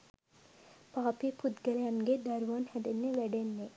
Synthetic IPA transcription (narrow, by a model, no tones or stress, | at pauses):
paːpipud̪ɡɛlejanɡed̪ɐɾʋaːnhɛd̪enːeʋɛɖenːe